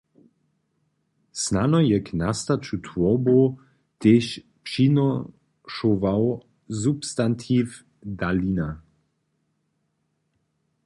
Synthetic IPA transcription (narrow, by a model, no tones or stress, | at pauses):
snanɔjɛknast̪at͡ʃut̪ʰvɔbo | t̪eʃ | pʃinɔ | ʃovaw | zupst̪ant̪ʰif | d̪alina